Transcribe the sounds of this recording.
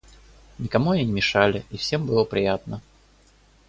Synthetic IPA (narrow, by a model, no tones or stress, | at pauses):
nʲɪkamuɐnʲinʲɪmʲɪʂalʲɪifsʲembɨlˠəpɾʲɪjat̪nə